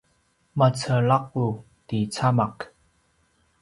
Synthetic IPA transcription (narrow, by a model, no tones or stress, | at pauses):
mat͡sʰəlak̚u | tit͡sʰamak